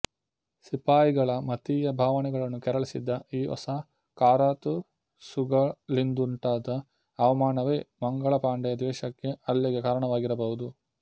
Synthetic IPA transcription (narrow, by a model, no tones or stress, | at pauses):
sipaːjiɡɐɭɐmɐt̪ijɐbʱaːʋɐnɛɡɐɭɐnːukɛɾɐɭisḭd̪ːɐiːʔɔ̰sa | kaːɾaːt̪u | suɡɐlind̪uɳʈaːd̪ɐː | ʋɐmaːnɐʋeːmɐŋɡɐɭɐpaːɳɖɛjɐd̪ʋɛːʃɐkːe̞ɐlːiɡe̞kaːɾɐɳɐʋaːɡiɾɐbɐɦud̪u